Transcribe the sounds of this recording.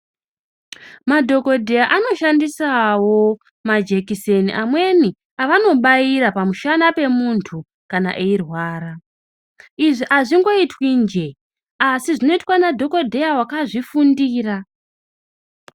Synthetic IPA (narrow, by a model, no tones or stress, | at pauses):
madʱo̞ko̞dʱe̞jaʔano̞ʃandisawo̞ | mad͡ʒe̞kiseniʔamwe̞ni | aʋano̞ɓaiɾapamuʃanape̞muntʰu | kana̰ʔeirwaːɾa | iʐiʔaʐiŋɡo̞itwind͡ʒe̞ | asiʐino̞itwanadʱo̞ko̞dʱe̞jawakaʐifundiːra